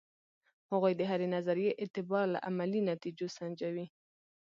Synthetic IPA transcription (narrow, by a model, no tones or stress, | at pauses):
haɣojd̪əɦaɾenazaɾijeʔɪt̪ɪbɑɾla̰ʔamalinat̪id͡ʒosand͡ʒawi